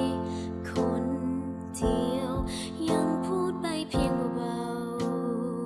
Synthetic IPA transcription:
kʰo˧n | tʰi˨˧˩əw | ja˧ŋpʰuː˥˩t̪̚pa˧jpʰi˧ŋ˧wa˧w

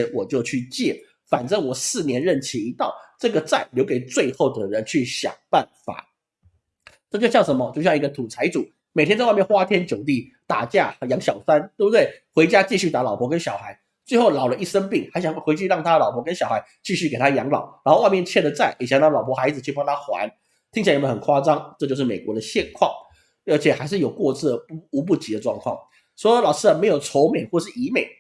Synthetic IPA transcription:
nwɔ˨˩t͡ɕjo˥˧ʊt͡ɕʰy˥˧t͡ɕjɛ˥˩ | fa˨˩nʈ͡ʂə˥ŋwɔ˨˩sɹ̩˥˩njɛ˧˥nɻə˥˩nt͡ɕʰi˧˥i˧˥t̪ɑ˥˧ʊʈ͡ʂɤ˥˩ɡə˩t͡sa˥˩ɪljo˧˥ʊke˨˩ɪt͡swe˥˧ɪxo˥˩ʊd̪ə˨˩ə˧ɻə˧˦nt͡ɕʰy˥˩ɕjɑ̰˨˩ŋpa˥˩nfa̰˨˩˦ | ʈ͡ʂɤ˥˧t͡ɕjo˥˧ʊɕjɑ˥˩ŋʂə˧˥mə˧t͡ɕo˥˧ɕjŋ˧˥ɡə˧t̪ʰu˨˩t͡sʰa˧˥ɪt͡su˨˩˦ | me˨˩t̪ʰjt͡swmjnxwa˥t̪ʰjɛ˥nt͡ɕjo˨˩ʊt̪i˥˩ | t̪a̰˨˩t͡ɕja˥˩jɑ˧˥ŋɕjɑ˨˩ʊsa˥nt̪o˥˩bt̪we˥˩ɪxwe˧˥ɪt͡ɕja˥t͡ɕi˥˧ɕy˥˩t̪a˧˥lɑ˨˩ʊpʰwɔ˧˥kə˦˥nɕjɑ˨˩ʊxa˧˥ɪ | t͡swe˥˧ɪxo˥˩ʊlɑ˨˩ʊlə˦i˥˩ʂə˥ŋpi˥˩ŋxɪɕjŋwwe˧˥ɪt͡ɕʰy˥˧ɻɑ˥˩ŋt̪ʰa˥lɑ˨˩ʊpʰɔ˧˥kə˥nɕjɑ˨˩xa˧˥ɪt͡ɕi˥˧ɕy˥˩ke˨˩ɪt̪ʰa˥jɑ˧˥ŋlɑ̰˨˩˦ʊɻa˧˥nxo˥˧wa˥˧ɪmjɛ˥˧nt͡ɕʰjɛ˥˩nd̪ə˩t͡sa˥˩ɪʔjɛ˨˩ɕjɑ˥˩ŋɑ˥˩lɑ˨˩ʊpʰɔ˧˥xa˧˥ɪd͡zɹ̩˨˧t͡ɕʰy˥˧pɑ˥˧ŋt̪ʰa˥xwa̰˧˦n | t̪ʰi˥ŋt͡ɕʰːmə˧n˩xə˨˩nkʰwa˥t͡sɑ˥ŋʈ͡ʂɤ˥˧t͡ɕjo˥˧ʂɻ̩˥˩me˨˩ɪkwɔ˧˥d̪ə˨˧ɕjɛ˥˧nkʰwɑ˥˩ŋ | ə˞˧˥t͡ɕʰjɛ˨˩xa˧ɪʂɻ̩˥˩jo˨˩ʊkwɔ˥˧t͡s̩ʰ˥˩d̪ə˩pu˧˥p̬u˥˩t͡ɕi˧˥d̪ə˧ʈ͡ʂwɑ˥˧ŋkʰwɑ̰˥˩ŋ | swɔ˧˥˧lɑ˨˩ʊʂɻ̩˥ə˨me˧˥ɪjo˨˩ʊʈ͡ʂʰo˧˥ʊme˨˩xwɔ˥˩ʂɻ̩˥˩i˧˥me˨˩ɪ

